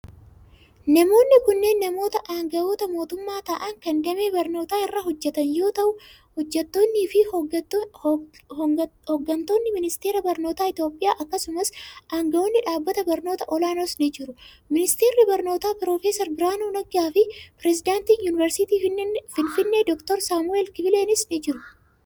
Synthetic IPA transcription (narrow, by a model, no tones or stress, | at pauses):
nɐmo̞ːnːɪkʊnːe̞ːnːɐmo̞ːt̪ɐʔaːŋɡɐo̞ːt̪ɐmo̞ːt̪ʊmːaːt̪ɐʔɐŋkɐnd̪ɐme̞ːbɐɾno̞ːt̪aːɪrːɐɦɔd͡ʒːɛt̪ɐnjo̞ːt̪ɐʔʊ | hɔd͡ʒːɛt̪ːo̞ːnːiːfɪ | hhɔɡːɐnt̪o̞ːnːɪmɪnɪst̪e̞ːɾɐbɐɾno̞ːt̪aːɪt̪jo̞ːpʼːɪjaːʔɐkːɐsʊmɐsʔaːŋɡɐʔo̞ːnːɪᶑaːbːɐt̪ɐbɐɾno̞ːt̪ɐʔɔlaːnosnɪd͡ʒɪɾʊ | mɪnɪst̪e̞ːrːɪbɐɾno̞ːt̪aːpɪɾo̞ːfeːsɐɾbɪɾaːnuːnɐɡaːfɪpɪɾɛsɪd̪aːnt̪iːnjuːnɪvɛɾsɪt̪iːfɪnfɪnːeːd̪ɔkt̪ɔɾsaːmʊeːlkɪbɪleːnɪsnɪd͡ʒɪɾʊ